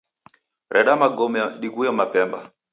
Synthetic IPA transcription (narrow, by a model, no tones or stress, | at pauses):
ɾʔɛɗamaɡɔmɛɗiɡujamapɛmba̰